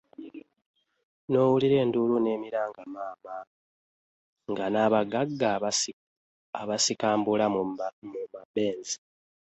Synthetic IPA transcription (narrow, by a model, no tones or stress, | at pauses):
no̞ːwuliɾe̞ːndulune̞ːmiɾaːŋɡamaːma | ŋɡanaːβaɡaɡːa | aβasikaːmbulamumabe̞ːnzi̥